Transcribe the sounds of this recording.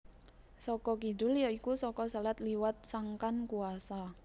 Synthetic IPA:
sɔkɔkiɖʊljɔikusɔkɔsalat̪liwat̪̚saŋkankuasa

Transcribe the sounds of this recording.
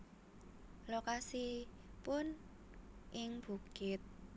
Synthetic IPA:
lokasi | pʊn | ʔɪŋb̥ṳkɪt̪̚

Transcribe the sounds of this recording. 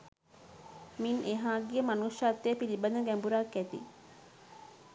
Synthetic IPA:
minʔeɦaːɡiemɐnuʃaːt̪ːepilibɐnɐɡɛmbuɾaːkːæt̪ḭ

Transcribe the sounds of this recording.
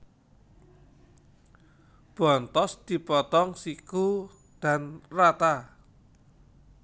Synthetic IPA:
b̥ɔ̤nt̪ɔsd̪̥i̤pɔt̪ɔŋsiku | d̪̥a̤nrat̪a

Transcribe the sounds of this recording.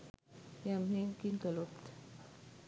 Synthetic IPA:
jameŋkinkalopt̪

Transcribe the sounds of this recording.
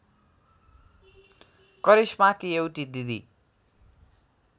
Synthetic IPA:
kʌɾismakiewʈid̪id̪ḭ

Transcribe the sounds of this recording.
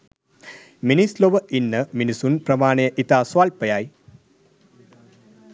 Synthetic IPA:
minisloʋɐʔinːɐminisunprɐmaːɳɐjɐʔit̪aːswaːlpɐjaːj

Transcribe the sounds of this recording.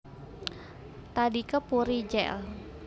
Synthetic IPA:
t̪adikəpuɾid͡ʒɛ̰l

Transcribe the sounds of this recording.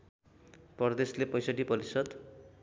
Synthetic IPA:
pʌrd̪eslepʌjsaʈipʌɾisʌd̪

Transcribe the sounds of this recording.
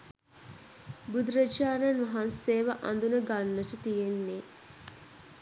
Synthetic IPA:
bud̪ɾəd͡ʒaːnanʋɐɦanseːʋəʔa̰nd̪unəɡanːəʈət̪ijenːe

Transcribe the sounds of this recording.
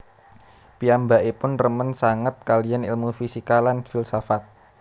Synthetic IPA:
piambaʔepʊnrəmənsaŋət̪̚kalianḭlmufisikalanfilsafat̪̚

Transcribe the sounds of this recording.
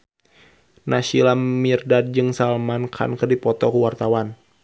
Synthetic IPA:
naʃilamirdad̚d͡ʒɨŋsalmankʰa̰nkərdipɔt̪ɔkəwart̪awan

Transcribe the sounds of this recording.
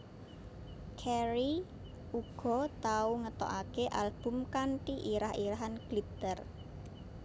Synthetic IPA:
kʰɛɾi | uɡ̥ɔ̤t̪auŋət̪ɔ̰ʔakeʔalb̥ʊ̤mkanʈiʔiɾahiɾaɦanɡ̥lit̪ər

